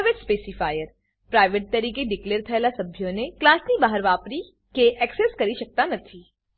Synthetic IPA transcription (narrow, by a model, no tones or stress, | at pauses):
ʋeʈspeːsɪfaːjəɾ | pɾaːɪʋeʈ̚t̪ɐɾiːkeɖɪkleːɾt̪ʰɛlasɐbʱjõneklaːsnibaːɦəɾʋaːpɾi | keʔɛːkseskɐɾiʃɐk̚t̪anɐt̪ʰiː